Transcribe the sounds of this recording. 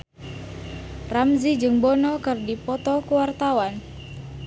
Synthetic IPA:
ramzid͡ʒɨŋbɔnɔkɨrdipɔt̪ɔkuwart̪awan

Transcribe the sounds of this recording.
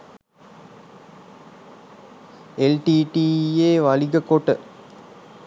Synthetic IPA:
elʈiːʈiːjeːʋɐɭiɡəkoʈə

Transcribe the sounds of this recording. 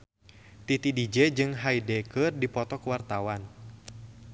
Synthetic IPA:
t̪it̪idid͡ʒɛd͡ʒɨŋɦaidɛkɨrdipɔt̪ɔkwart̪awan

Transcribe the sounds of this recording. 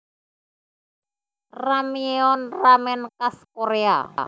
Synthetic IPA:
ramieɔnramɛnkaskoɾea̰

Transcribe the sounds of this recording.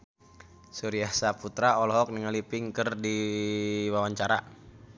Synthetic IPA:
suɾiahsaput̪ɾaɔlɔɦɔk̚niŋalipɪŋkərdi | wawaɲt͡ʃaɾa

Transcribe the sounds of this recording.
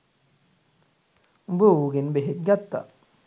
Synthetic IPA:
bouɡenbeɦek̪̚ɡat̪ːa̰

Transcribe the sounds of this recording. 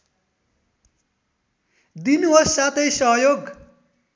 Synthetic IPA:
d̪inɦʌsat̪ʌjsʌɦʌjoɡ

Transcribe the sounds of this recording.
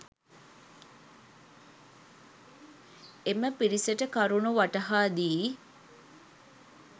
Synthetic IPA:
eməpiɾiseʈəkɐɾunuʋaʈɐɦaːd̪iː

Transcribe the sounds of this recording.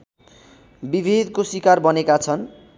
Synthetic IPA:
bibʱid̪kosikarbʌnekat͡sʰʌn

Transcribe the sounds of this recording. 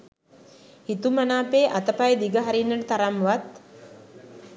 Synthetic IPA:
hit̪umanaːpeːʔat̪əpajd̪iɡəɦaɾinːəʈət̪aɾamʋat̪

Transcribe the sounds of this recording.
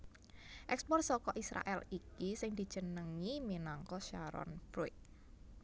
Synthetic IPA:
ʔɛkspɔrsɔkɔʔisɾa̰ʔɛlikisɪŋd̪̥i̤̥ʒ̥ənəŋiminaŋkɔʃaɾɔ̰nb̥ɾuɪt̪̚

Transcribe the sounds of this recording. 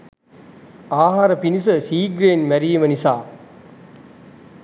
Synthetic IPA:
aːɦaːɾəpinis̬əsiːɡɾeːnʋæɾijimənisaː

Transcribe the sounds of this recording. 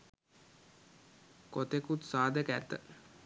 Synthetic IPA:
kot̪ekut̪saːd̪əkæt̪ːə̰

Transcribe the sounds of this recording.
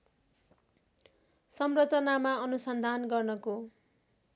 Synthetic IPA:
sʌmrʌt͡sʌnamaʌnusʌnd̪ʱanɡʌrnʌko

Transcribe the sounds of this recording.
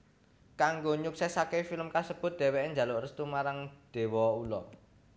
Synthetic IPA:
kaŋɡoɲuk̚sɛsakefiləmkasəb̥ʊ̤t̪̚d̪̥ɛ̤wɛʔeɲd͡ʒa̤lʊʔrəst̪umaɾaŋd̪̥e̤wɔulɔ̰

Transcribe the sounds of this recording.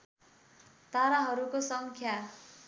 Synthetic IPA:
t̪aɾaɦʌɾukosʌŋkʰja

